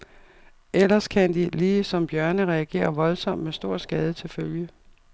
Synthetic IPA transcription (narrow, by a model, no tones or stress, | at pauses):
ʔelɐskʰænd̥iliːsɒ̽mb̥jɶɐnəʁɛæɡ̥e̝̰ːɐʋɒ̽lsɒ̽m̰d̥mesd̥o̝ɐ̰sɡ̥ɛːð̞ˠət͡sʰe̝lføljə